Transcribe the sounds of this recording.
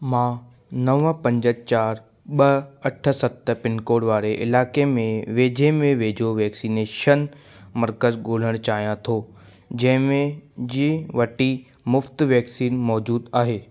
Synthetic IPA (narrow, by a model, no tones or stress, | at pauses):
mãː | nɐʋəpɐ̃ɲd͡ʑət͡ɕaːɾ | ɓɐɐʈʰə̆sɐt̪ʰpɪnkoːɽʋaːɾeʔɪlaːkemẽʋeːd͡ʑʱemẽʋeːd͡ʑʱoʋɛːksiːneːʃən | mɐɾkəzɡoːl̤əɽ̃t͡ɕaːɦijãt̪ʰoː | d͡ʑɐ̃ɦɪ̃mẽd͡ʑiːʋɐʈi | mʊft̪ʋɛːksiːnmɔːd͡ʑuːd̪aːɦeː